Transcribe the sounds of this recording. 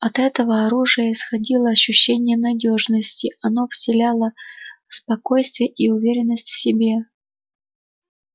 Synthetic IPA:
ɐt̪ɛt̪əvəɐɾuʐɨjəɪsxɐdʲilˠəɐɕːʉɕːenʲɪjənɐdʲo̞ʐnəsʲtʲɪɐno̞vsʲɪlʲalˠə | spɐko̞jst̪vʲɪjəʔiʊvʲeɾʲɪnːəsʲtʲfsʲɪbʲe

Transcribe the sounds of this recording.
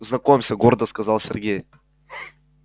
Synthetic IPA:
znɐkomʲmsʲəɡoɾd̪əskɐzɑlˠsʲɪ̰rɡʲej

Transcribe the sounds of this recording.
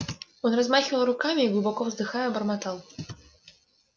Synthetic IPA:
jɔnrazmaxʲvɐlˠɾukamʲiiɡlˠɨbɔkɔvzd̪ɨxajɛbɐrmat̪alˠ

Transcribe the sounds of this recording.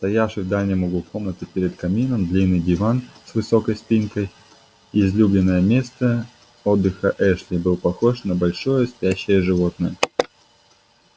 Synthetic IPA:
st̪ɐjafʂɨjvd̪alʲnʲəmoɡˠuko̞mnət̪əpʲeɾʲɪt̪kɐmʲinəmd̪lʲinːɨjdʲɪvansvɨsokəjspʲinkəj | ɪzlʲublʲɪnːəjəmʲe̞st̪ə | od̪ːɨxəʔɛʂlʲɪbɨlˠpɐxo̞ʂnəbɐlʲʂo̞jəst̪ʲæɕːɪjəʐɨvo̞t̪̚nəjə

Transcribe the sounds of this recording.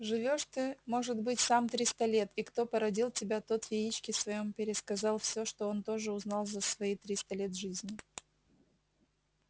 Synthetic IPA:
ʐɨvʲo̞ʂt̪ɨmo̞ʐɨd̪bɨtʲsamt̪ɾʲist̪ɐlʲe̞t̪ikt̪o̞pəɾɐdʲilˠtʲɪbʲat̪o̞t̪vʲɪit͡ɕkʲɪsvɐjo̞mpʲɪɾʲɪskɐzɑlˠfsʲo̞ʂt̪o̞o̞nt̪o̞ʐɨʊznɑlˠzəsvɐit̪ɾʲist̪ɐlʲe̞t̪ʐɨzʲnʲɪ

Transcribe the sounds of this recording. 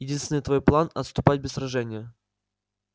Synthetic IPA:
jɪdʲinst̪vʲɪnɨt̪vojplˠanɐt̪st̪ʊpat̚ʲbʲɪsɾɐʐɛnʲɪjə

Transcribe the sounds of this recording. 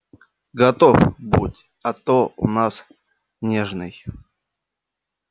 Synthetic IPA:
ɡɐt̪ofbutʲ | ɐt̪oʊ̰nas | nʲeʐnɨj

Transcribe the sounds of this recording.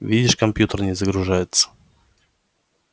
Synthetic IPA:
vʲidʲɪʂkɐmpʲjut̪ərnʲɪzəɡɾʊʐajɪt̪sə̥

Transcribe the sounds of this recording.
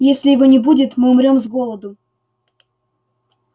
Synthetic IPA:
jesʲlʲɪjɪvo̞nʲɪbudʲɪt̪mɨʊmɾʲo̞mzɡo̞lˠəd̪ʊ

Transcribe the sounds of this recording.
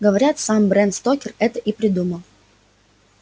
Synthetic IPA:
ɡəvɐɾʲat̪sambɾɛnt̪st̪okʲɪrɛt̪əʔipɾʲɪd̪uməlˠ

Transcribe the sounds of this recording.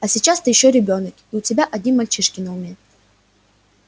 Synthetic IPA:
ɐsʲit͡ɕast̪ɨjɪɕːoɾʲɪbʲo̞nəkiʊtʲɪbʲaʔɐdʲnʲinmɐlʲt͡ɕiʂkʲɪnəʊmʲe

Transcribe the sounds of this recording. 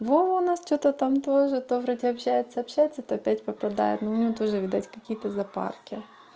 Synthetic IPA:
voʊnast͡ɕot̪ət̪amt̪o̞ʐɨt̪ovɾɐtʲiɐpɕːæjɪt̪sɐɐpɕːæjɪt̪sːət̪oɐpʲætʲpɐpɐd̪a̰jɪ̰t̪nuʊnʲɪot̪o̞ʐɨʋʲɪd̪atʲkɐkʲijət̪əzɐpa̰rkʲɪ

